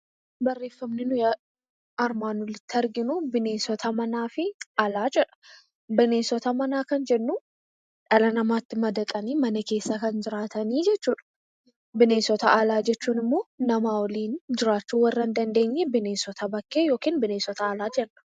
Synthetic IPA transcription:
bɐrːe̞ːfːɐmnɪnʊja | ɐɾmaːnʊlɪt̪ːɪɐɾɡɪnʊbɪneːsɔt̪ʰɐmɐnaːfɪalaːd͡ʒɛᶑɐ̥ | bɪne̞ːsɔt̪ɐmɐnaːkɐnd͡ʒɛnːu | ᶑɐlɐnɐmaːt̪ːɪmɐd̪ɐt̪ʼɐniːmɐnɐke̞ːsːɐkɐnd͡ʒɪɾaːt̪ɐniːd͡ʒɛt͡ʃːuːᶑɐ̥ | bɪne̞ːsɔt̪ɐalaːd͡ʒɛt͡ʃːuːnɪmːo̞ːnɐmaːwɔliːnd͡ʒɪɾaːt͡ʃːuːwɐrːɐnd̪ɐnd̪e̞ːɲːɛbɪne̞ːsɔt̪ʰɐbɐkːejo̞ːkiːnbɪneːsɔt̪ɐːlaːd͡ʒɛnːʊ̥

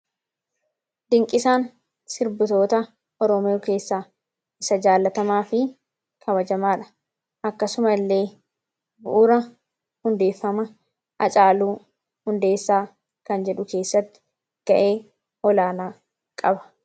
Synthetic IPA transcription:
d̪ɪŋkʼɪsaːn | sɪɾbʊt̪o̞ːt̪ɐ | ʔɔɾɔmɪjoːke̞ːsːaː | ɪsɐd͡ʒaːlːɐt̪ɐmaːfɪ | kʰɐβɐd͡ʒɐmaːᶑɐ̥ | ʔɐkːɐsʊmɐlːe̞ː | bʊ̰ʔʊɾɐ | hʊnd̪e̞ːfːɐmɐ | ʔɐt͡ʃʼaːluː | hʊnd̪e̞ːsːaː | kɐnd͡ʒɛᶑʊke̞ːsːɐt̪ːɪ̥ | ɡ̥ɐʔe̞ː | ɔlaːnaː | kʼɐbɐ̥

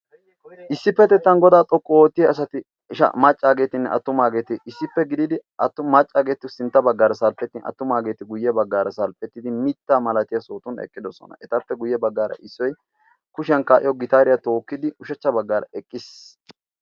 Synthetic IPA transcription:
ʔɪsːɪpːɛt̪ɛt̪ːɐnɡɔd̪aːt̪ʼɔkʼːɔwoːt̪ːɪjɐsɐt̪ɪ | ʃɐ̰mɐt͡ʃʼːaːɡe̞ːt̪ɪnːɛʔɐ̰t̪ːʊmaːɡe̞ːt̪ɪʔɪsːɪpːɛɡɪd̪ɪd̪ɪɐt̪ːʊmɐt͡ʃʼːaːɡe̞ːt̪ːɪsɪnt̪ːɐbɐɡːaːɾɐsɐlpʼːɛt̪ːɪnɐ̰t̪ːʊmaːɡe̞ːt̪ɪɡʊjːɛbɐɡːaːɾɐsɐlpʼɛt̪ːɪd̪ɪmɪt̪ːaːmɐlɐt̪ɪjɐso̞ːt̪ʊnɛ̰kʼːɪd̪ɔsɔ̰nɐ̰ʔɛt̪ɐpːɛɡʊjːɛbɐɡːaːɾɐ̰ʔɪsːɔj | kʊʃɐnkaːʔɪjɔɡɪt̪aːɾɪjɐt̪o̞ːkːɪd̪ɪʊʃɛt͡ʃːɐbɐɡːaːɾɐ̰ɛkʼːɪs

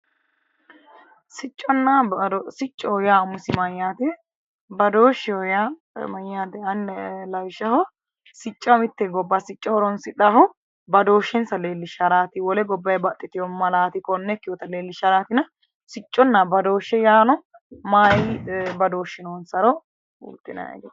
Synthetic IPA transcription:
sɪt͡ʃʼːɔnːasɪt͡ʃʼːɔjaːmʊsɪmɐjːaːt̪ɛ | bɐd̪oːʃːɛɔja | mɐjːaːt̪ɛɐnɛlɐwʃɐhɔ | sɪt͡ʃʼːɐmɪt̪ːɛɡɔbːasɪt͡ʃʼːɔhɔɾɔnsɪᶑɐɦɔ | bɐd̪o̞ːʃːɛnsɐleːlːɪʃɐɾaːt̪ɪwɔlɛɡɔbːɐjbɐt̪ʼːɪt̪ɪjɔmɐlaːt̪ɪkɔnːɛkːɪjɔːt̪ɐleːlːɪʃɐɾaːt̪ɪnɐ | sɪt͡ʃʼːɔnːabɐd̪o̞ːʃːɛjaːnɔ | maːjɪbɐd̪o̞ːʃɛnoːnsɐɾɔ | ṵːt̪ːɪnɐ̰ɛ̰ɡḛ

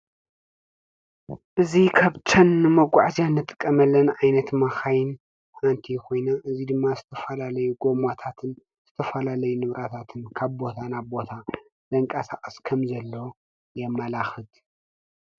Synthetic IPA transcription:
ʔɨzikʰaβt͡ʃʰɐnːɨmɐɡʷaʕzjanːɨt̪ʼɨ̥kʼːɐmɐlːɐnʕajnɐt̪maxajɪn | ʔant̪ʰikʰo̞jnaʔɨzid̪ɨmːazɨt̪ʰɐfɐlalɐjuɡo̞mat̪ʰat̪ʰɨn | z̥ɨt̪ʰɐfɐlalɐjunɨβɾat̪ʰat̪ʰɨnkʰaβbo̞t̪ʰanaβbo̞t̪ʰa | z̥ɐŋkʼɐsa̰χʼɐskʰɐmzɐlːo | jɛmːalaxɨd̪

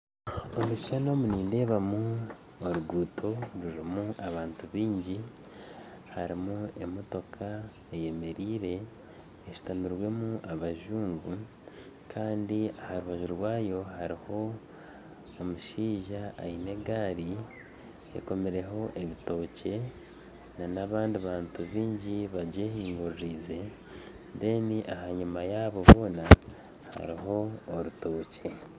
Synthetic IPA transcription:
o̞muʃi̥ʃano̞muniːnde̞ːβamu | oɾuɡuːtʰo̞ɾuɾimuʔaβaːntuβiːɲɟi | haɾimue̞mo̞to̞kʰa | eje̞me̞ɾiːɾe̞ː | ʃu̥tamiɾwe̞muʔaβaʒuːŋɡu | kʰaːndiahaɾuβaʒuɾwaːjo̞haɾiho̞ | muʃiːʒa̰ːjine̞ɡaːɾi | ḛko̞meɾe̞ɦo̞ʔe̞βito̞ːce̞ | nanaβaːndiβaːntuβiːɲɟiβaɟehiːŋɡuɾɾiːze̞ | de̞ːniʔaɦaɲumajaβo̞βo̞ːna | ha̰ɾiɦo̞ːɾuto̞ːce̞

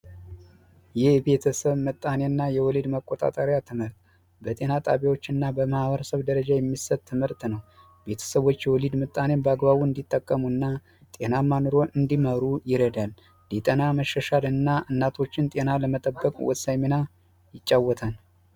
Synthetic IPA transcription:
jɪhbe̞t̪ʰəsəβmɨt̪ʼːanenːajɛwɔlid̪məkʼːot̪ʼa̰t̪ʼəɾjat̪ʰɨmɨɾt̪ | bət̪ʼe̞nat̪ʼa̰βiwo̞t͡ʃːɨnːabəmahβəɾəsəβd̪əɾəd͡ʒajɛmːisət̪ʰːɨmɨɾt̪nəw | be̞t̪ʰə̥səβo̞t͡ʃːjɛwɔlid̪mɨt̪ʼːanebəaɡβaβuɨnd̪it̪ʼːəkʼːəmuɨnːa | t̪ʼe̞namːanoɾo̞ʔɨnd̪iməɾujɪɾəd̪alː | it̪ʼənaməʃːəʃalɨnːaɨnːat̪ʰo̞t͡ʃːɪnt̪ʼe̞naləmət̪ʼəbːəkʼwɔ̰t̪sajmena | jɪt͡ʃʼːawːɔt̪ʰan

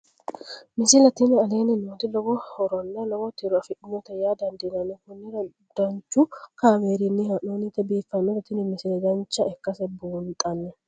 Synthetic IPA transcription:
mɪsɪlɐt̪ɪnɛɐleːnɪnɔt̪ɪlɔɡɔhɔɾɔnːɛnɐwɔt̪ːɪɾʊɐfɪʔɪnːɔt̪ɛjad̪ɐnd̪inɐnːɛkʊnːɪɾ | d̪̥ɐnt͡ʃːʊkaːweːɾɪnːɪhɐʔonɪt̪ːɛbiːfːɐnːɔt̪ɐt̪ɪnɛmɪsɪlɛd̪ɐnt͡ʃːɐɛkːɐsɛbuːnt̪ʼɐnːɛ

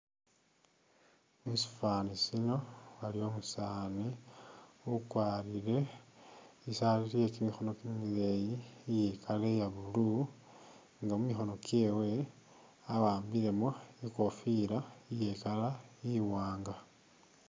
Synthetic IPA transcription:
musi̥fanisino̞walio̞musaːni | ukwaːlile̞ | isaliɾiekimixo̞no̞kimilejijekʰale̞jaβulu | ŋɡamumixo̞no̞kje̞we̞ | awaːmbiɾe̞moiko̞fiɾaijekalajiwaːŋɡa

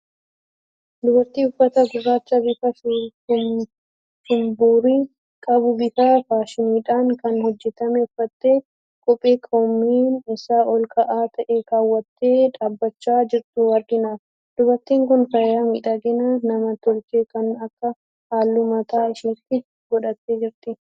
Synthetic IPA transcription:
d̪ʊbɐɾt̪iːʊfːɐt̪ɐɡʊrːaːt͡ʃːɐbɪfɐsʊm | ʃʊmbuːɾiː | kʼɐbʊbɪfɐfaːʃɪniːᶑaːŋkɐnhɔd͡ʒːɛt̪ɐmɛfːɐt̪ːeː | kʼɔpʼːeːkʰomːiːnɪsaːʔɔlkʰɐʔaːt̪ʰɐʔeːkaːwːɐt̪ːe̞ːᶑaːbːɐt͡ʃːaːd͡ʒɪɾt̪uːwɐɾɡɪnaːf | d̪̥ʊbɐɾt̪iːŋkʊnfɐjaːmiːᶑɐɡɪnɐnɐmɐt̪ɔlkeːkɐnɐkːɐ | haːlːumɐt̪aːɪʃiːkɪ | ɡɔᶑɐt̪ːeːd͡ʒɪɾt̪ɪ

